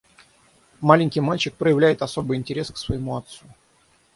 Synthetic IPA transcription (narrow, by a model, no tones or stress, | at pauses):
malʲɪŋʲkʲɪjmalʲt͡ɕɪk̚pɾəjɪvlʲæjɪt̪ɐso̞bɨjɪnʲtʲɪɾʲe̞sksvəjɪmuɐt̪su